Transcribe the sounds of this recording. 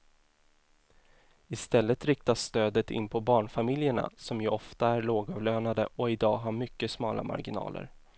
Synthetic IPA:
ɪst̪ɛlːət̪ɾɪk̚t̪asːt̪øːd̪ət̪ɪ̰nːpʰɔbɑːɳfamɪljəɳa̰sɔmjɵɔft̪aæɾɭoːɡɑvløːnad̪ə̰ʔɔɪd̪ɑːɦaɾmʏkːəsmɑːla̰ma̰ɾɡɪnɑ̰ːlʔə̰ɾ

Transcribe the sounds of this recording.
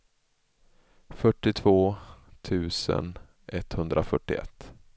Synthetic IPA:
fœʈːɪt̪ʰvoːt̪ʰʉ̟ːsə̰n | ʔɛt̪ːhɵnd̪ɾʔafœʈːɪɛ̰t̪ː

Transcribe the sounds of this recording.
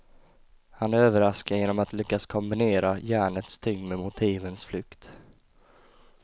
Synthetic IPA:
hanæɾøːvəɾaskajeːnɔmat̪lʏkːaskʰɔmbɪneːɾajæːɳət̪st̪ʰʏŋːmɛmʊt̪ʰiːvənsflʏkt̪

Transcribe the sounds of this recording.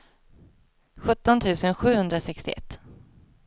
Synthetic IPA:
ɧɵt̪ːɔnt̪ʰʉ̟ːsənɧʉ̟ːhɵnd̪ɾasɛkst̪ɪɛ̰t̪ː

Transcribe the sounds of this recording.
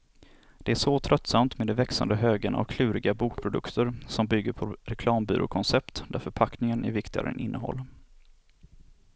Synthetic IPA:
d̪̥ɛæʂɔt̪ʰɾʔœt̪ːsamt̪med̪ɛvɛksa̰nd̪əɦøːɡənʔɔ̰kʰlʉ̟ːɾɪɡabuːk̚pʰɾʊd̪ɵ̰kt̪ʰəɾsɔmbʏɡːəɾpʰɔɾɛkʰlɑːmby̰ːɾʔʊ̰kʰɔnsɛpt̪d̪æɾfœɾpʰaknɪŋənæ̰ɾvɪkt̪ɪɡa̰ɾə̰nʔɪ̰nːʔəɦɔ̰lː

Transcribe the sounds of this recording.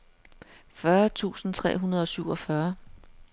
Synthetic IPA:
fɶɐt͡sʰṵːsn̩t͡sʰʁɛ̰ːɦunɐð̞ˠɒ̽syʊɒ̽fɶɐ

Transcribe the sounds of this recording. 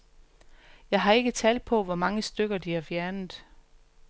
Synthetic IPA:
jɑ̈ɪɦɑ̈e̝ɡ̥ət͡sʰɛːld̥̚pʰɒ̽ʋɒmɑ̈ŋəsd̥øɡ̥ɐd̥ihæ̈fjæɐnð̩ˠ

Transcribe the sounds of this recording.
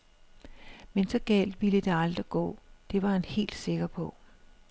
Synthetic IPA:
mensɒ̽ɡ̥ɛ̰ːld̥ʋiləd̥eɑ̈ld̥ʁiɡ̥ɔ̰̽ːd̥e̝ʋɑ̈hænhe̝̰ːld̥se̝ɡ̥ɐpʰɒ̽

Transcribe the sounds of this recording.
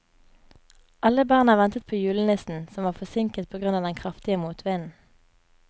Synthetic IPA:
ʔɑləbɑːʁnɑːʋɛnt̪ət̪̚pʰoːjʉːlənɛsn̩sɔmʋɑːʁfɔsɪŋkət̪̚pʰoːɡʁʉnɑːʋd̪ɛŋkʰʁɑft̪ɪəmuːt̪ʰʋeːnn̩

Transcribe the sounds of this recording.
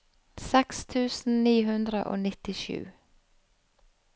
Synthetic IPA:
sɛkst̪ʰʉːsn̩niːɦʉnd̪ɾə̰ʔo̰ːnɪt̪ɪʃʉ̰ː

